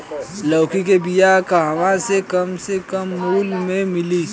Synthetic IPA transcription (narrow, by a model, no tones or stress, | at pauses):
lɔːkikebijakaɦɐmãsekɐmsekɐmːuːlmẽmɪliː